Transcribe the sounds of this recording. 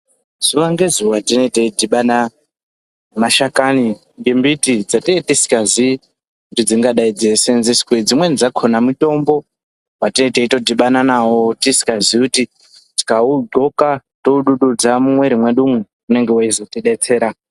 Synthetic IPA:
z̥uʋaŋɡezuwatino̞iteidiɓana | maʃakani | ŋɡembitid͡zatietisi̥kazi | kutid͡ziŋɡaɗaid͡ze̞se̞nzisi̥kwed͡zimwe̞nd͡zakʰonamito̞mbo̞ | watinoiteito̞diɓananawotisi̥kazikuti | ti̥kauɡo̞kato̞uɗuɗud͡zamumwe̞ɾimwe̞ɗumu | une̞ŋɡe̞waizo̞tiɗet͡se̞ːɾa

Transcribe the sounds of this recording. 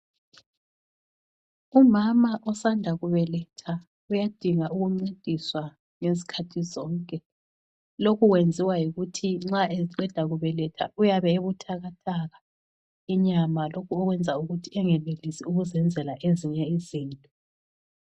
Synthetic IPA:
umamaʔɔsandʱaɣuβɛlɛtʰa | ujad̥ʱiŋauɣuŋ͡ǀid̥ʱiswa | ŋezi̥kʰatʰizɔːŋkʼɛ | lokuɣwend͡zʱiwajiɣutʰiŋ͡ǁaʔeziǃɛd̥ʱaɣuβɛlɛtʰa̰ujaβɛeβutʰaɣatʰaɣa | iɲamalokuɔɣwɛnd͡zʱauɣutʰiɛŋɛlelisiuɣuzɛnd͡zʱɛlaʔeziɲɛiziːntʼɔ

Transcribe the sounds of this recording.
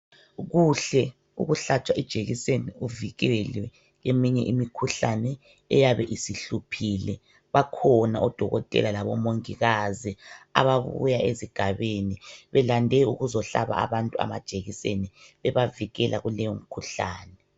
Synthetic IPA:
ɣuɬɛ | ṵɣuɬat͡ʃʰʼwaʔid̥ʒ̥ʱeɣiseniuviɣɛlwɛ | jemiɲɛʔimikʰuɬanɛ | ɛjaβɛʔisiɬupʰilɛ | βakʰɔnaɔd̥ʱɔɣɔtʼɛ̰lalaβɔmoŋiɣazia̰βaβṵjaeziɡ̥ʱaβeniβɛlandʱɛuɣuzɔɬa̰βa̰a̰βantʼua̰ma̰d̥ʒ̥ʱeɣiseniβɛβaviɣɛlʔaɣulɛjɔm̩kʰuɬa̰ːnɛ

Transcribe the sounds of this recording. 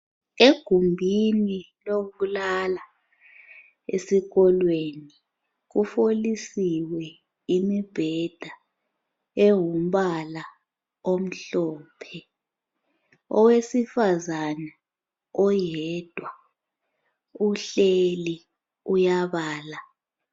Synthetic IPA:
eɡ̥ʱumbʱini | loβulala | ḛsiɣɔlweni | k̬ufolisiwɛ | imib̥ʱɛd̥ʱa | ewum̩ɓala | om̩ɬɔːpʰɛ | ɔ̰wesifazana | ɔjɛd̥ʱwa | uɬeli | ujaβaːla

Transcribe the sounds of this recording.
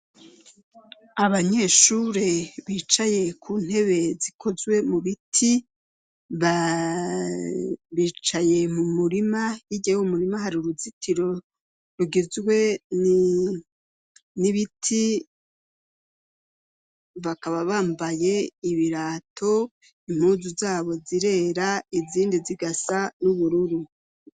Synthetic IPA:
aβaɲe̞ːʃuɾeβiːt͡ʃaje̞kʰuːn̥he̞βe̞zikʰo̞zwe̞muβitʰi | βa | βiːt͡ʃaje̞mumuɾimajiɟewumuɾimahaɾiuɾuzitʰiɾo̞ | ɾuɡizɡwe̞ni | niβitʰi | βakaβaβaːmbaje̞iβiɾaːtʰo̞ | im̥huːzuzaːβo̞ziɾe̞ːɾaiziːndiziɡasanuβuɾuɾu

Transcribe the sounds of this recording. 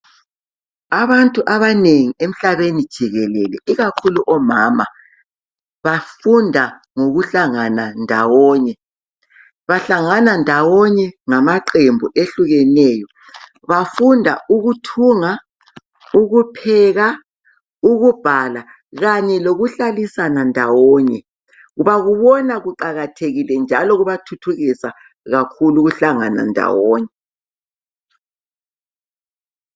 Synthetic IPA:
aβantʼuʔaβaneŋiem̩ɬaβenid̥ʒ̥ʱiɣɛlɛlɛ̰iɣakʰuluʔɔma̰ːma̰ | βafundʱa | ŋoɣuɬaŋanandʱa̰wɔːɲɛ | βaɬaŋanandʱawɔɲɛŋamaǃembʱuʔeɬuɣɛnɛːjɔ | βafundʱa̰uɣutʰuŋa | uɣupʰɛɣa | uɣub̥ʱala | ɣaɲɛloɣuɬalisanandʱawɔːɲɛ | ɣuβaɣuβɔnaɣuǃaɣatʰeɣilɛnd͡ʒʱalɔɣuβatʰutʰuɣisa | ɣakʰuluɣuɬaŋa̰na̰ndʱa̰wɔːɲɛ

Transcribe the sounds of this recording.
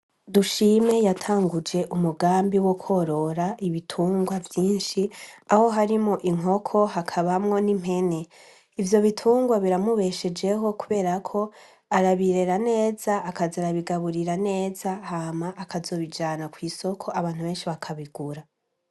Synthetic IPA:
duʃime̞jatʰaːŋɡud͡ʒe̞ʔumuɡaːmbiwokʰo̞ɾo̞ɾaʔiβitʰuːŋɡwavjiːnʃiaho̞ɦaɾimŋoʔiŋ̥o̞kʰo̞ɦakʰaβamŋo̞nim̥he̞ne̞ | ivjo̞βitʰuːŋɡwaβiɾamuβe̞ʃe̞d͡ʒe̞ɦo̞kuβe̞ːɾakʰo̞ | aɾaβiɾe̞ɾane̞ːzaːkazaɾaβiɡaβuɾiɾane̞ːzahamaʔːkazo̞ːβid͡ʒaːnakwiːso̞kʰo̞aβaːn̥huβe̞ːnʃiβakʰaβiɡ̥uɾa

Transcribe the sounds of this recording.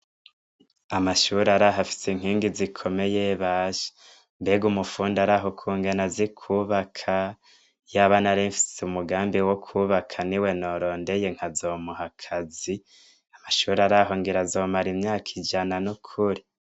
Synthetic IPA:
amaʃuɾaɾaɦafi̥seŋ̥iːŋɡizikʰo̞me̞jeβaʒe̥ | mbeɡumufuːndaɾaɦo̞kʰuːŋɡenazikʰuːβakʰa | jaβanaɾiɱfi̥seumuɡaːmbiwo̞kʰuːβakʰaniwe̞no̞ɾo̞ːnde̞je̞ŋ̥hazo̞muhakʰazi | amaʃuːɾaɾaɦo̞ŋɡiɾazo̞ːmaɾimɲaːkʰid͡ʒananukʰuɾi

